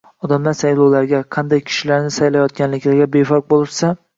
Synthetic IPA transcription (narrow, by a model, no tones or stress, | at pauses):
ɒd̪amlaɾsajlˠɒwlaɾɡʲaqʰɑnd̪ajkʲʰɪ̥ʃɪlaɾnɪsajlajɒt̪̚ɡʲanlɪkʲlaɾɡʲabefɒq̚bolˠɪɾsa